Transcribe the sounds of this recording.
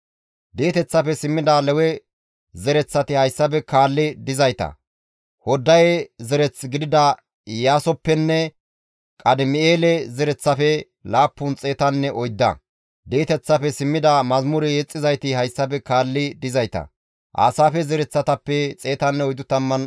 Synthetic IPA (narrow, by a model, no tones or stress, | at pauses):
d̪eːt̪ɛt͡sːɐpɛsɪmːɪd̪ɐlɛwɛ | zɛɾɛt͡sːɐt̪ɪhɐjsːɐp̬ɛkaːlːɪd̪ɪzɐjt̪ɐ̰ | hɔd̪ːɐjɛzɛɾɛt͡sɡɪd̪ɪd̪ɐ | jaːsɔpːɛnːɛ | kʼɐd̪ɪmɪeːlɛzɛɾɛt͡sːɐfɛ | laːpːʊnt͡sʼe̞ːt̪ɐnːɛʔɔjd̪ːɐ̰ | d̪eːt̪ɛt͡sːɐpɛsɪmːɪd̪ɐmɐzmʊɾɛjeːt͡sʼːɪzɐjt̪ɪhɐjsːɐb̬ɛkaːlːɪd̪ɪzɐjt̪ɐ̰ | ʔa̰ːsaːfɛzɛɾɛt͡sːɐt̪ɐpːɛt͡sʼe̞ːt̪ɐnːɛɔjd̪ːʊt̪ɐmːɐn